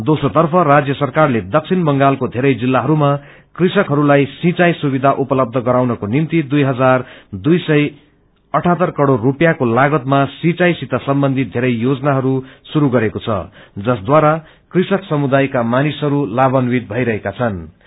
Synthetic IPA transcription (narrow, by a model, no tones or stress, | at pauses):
d̪osot̪ʌrpʰʌrad͡zjʌsʌrkarled̪ʌk̚t͡sʰinbʌŋɡalkod̪ʱeɾʌjd͡zilːaɦʌɾuma | krisʌkɦʌɾulajsĩt͡sajsubid̪ʱaʔupʌlʌb̚d̪ʱʌɡʌɾawnʌkonimt̪id̪ujɦʌd͡zard̪ujsʌj | ʌʈʰat̪ʌrkʌɽorːupjakolaɡʌt̪masĩt͡sajsit̪ʌsʌmbʌnd̪ʱid̪ʱeɾʌjjod͡zʌnaɦʌɾusuɾuɡʌɾekot͡sʰʌ̰d͡zʌsd̪waɾa | krisʌksʌmud̪ajkamanisɦʌɾulabʌnwit̪̚bʱʌjɾʌɦekat͡sʰʌn